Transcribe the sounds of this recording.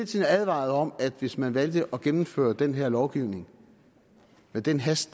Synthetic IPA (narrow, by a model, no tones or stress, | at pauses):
t͡sʰenæðˠʋɑ̰̈ð̞̩ˠɒ̽mæd̥ʋe̝smænʋæld̥əʔɒ̽ɡ̥emm̩fø̰ːɐd̥enɦeɐ̰lɒʊɡ̥iʊne̝ŋ | med̥enɦæsd̥